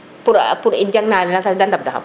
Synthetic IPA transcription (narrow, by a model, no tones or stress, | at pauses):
puɾapuɾid͡ʒaŋnanakadant̪ap̚daɦa̰m